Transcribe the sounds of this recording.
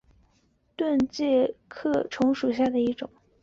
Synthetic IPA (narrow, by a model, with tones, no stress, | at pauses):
t̪wə˥˧nt͡ɕjɛ˥˧kʰɤ˥˩ʈ͡ʂʰʊ˧˥ŋʂu˨˩ɕja˥˩d̪ə˩i˧˥ʈ͡ʂʊ̰˨˩˦ŋ